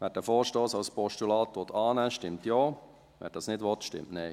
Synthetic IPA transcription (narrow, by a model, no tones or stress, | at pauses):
ʋɛːɾ̚dəfoːɾʃtoːsɑʊspɔʃtulɑːtʋɔt̪ʰɑːnɛʃtɪmtjoː | ʋɛ̰t̚dɑsnɪdʋɔtʃtɪ̰mtnɛɪ